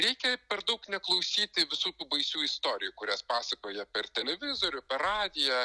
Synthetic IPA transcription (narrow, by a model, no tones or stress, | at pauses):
ɾʲɛɪkʲɛpʲɛɾd̪ɐʊknʲɛklˠɐʊsʲiːt̪ʲɪʋʲɪsuːt̪ʲuːbɐɪsʲuːɪst̪oːɾʲɪjuːkʊɾʲæspɑːsɐkoːjɛpʲɛrt̪ʲɛlʲɛʋʲɪzoːɾʲʊpʲɛrɑːd̪ʲɪjɛ